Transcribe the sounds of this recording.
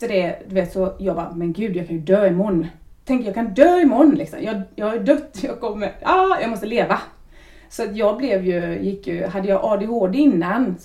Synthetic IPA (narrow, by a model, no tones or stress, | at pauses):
t̪əd̪ɛd̪ɵveːt̪sɔjɑːɡbɑːmɛnɡʉ̟ːd̪jɑːkʰanjɵd̪øːɪmɔnːt̪ʰɛŋkt̪əjɑːɡkʰand̪øːɪmɔnːlɪksɔ̰mjɑːjɑːɡhaɾjɵd̪œt̪ːjɑɡkɔmːəɑjɑɡmɔst̪əleːva | sɔat̪jɑːɡblɛvjɵjɪkːjɵ̰ɦad̪ːəjɑːɡʔɑːd̪eɦoːd̪ɪnːan